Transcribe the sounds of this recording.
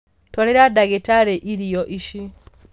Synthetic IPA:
tɔɾɛɾadaɡɛtaɾɛʔiɾijɔʔiʃi

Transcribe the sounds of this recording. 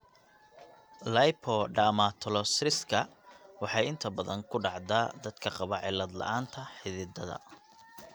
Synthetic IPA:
lɐjpʰɔɖaːmat̪ʰɔlɔsrɪskʰɐwɑħɑjɪnt̪ʰɐbɐðɐŋkʰʊɖɑʕd̪aːd̪ɐd̪kʰɐqɑβɐʕɪlːɐd̪lɐ̰ʔaːnt̪ʰɐħɪðɪd̪ɐðɐ̰

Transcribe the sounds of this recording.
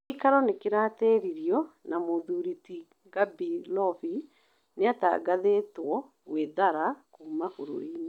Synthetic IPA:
ikaɾɔnekeɾateɾiɾiɔnamoðuɾiti | ɡabilɔfi | neata̰ɡaðetwɔ | weðaɾakuːmahoɾo̰ine

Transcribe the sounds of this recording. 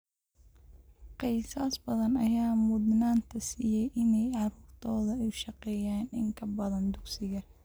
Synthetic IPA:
qɪjsaːsbɐðɐnɐjaːmʊd̪naːnt̪ʰɐsiːjɛjʔɪnɛjʕɑɾuːrt̪ʰɔːðɐɛjʃɑqɛːjaːnɪ̰ŋkʰɐbɐðɐnd̪ʊɡsɪɣɐ

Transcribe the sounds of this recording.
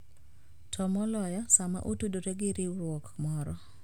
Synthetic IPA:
tʰɔmɔlɔjɔsama̰ʔutudoɾeɡɪɾɪɾwɔkmɔɾɔ

